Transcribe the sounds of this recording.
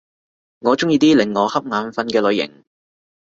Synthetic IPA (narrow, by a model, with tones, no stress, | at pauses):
ŋɔː˨˧t͡ʃʊ˥ŋjiː˨˧t̪iː˥lɪ˨˩ŋːɔː˨˧hɐ˥p̚ŋaː˨˧nfɐ˧nkɛː˧lɵ˨˧ɥjɪ̰˨˩ŋ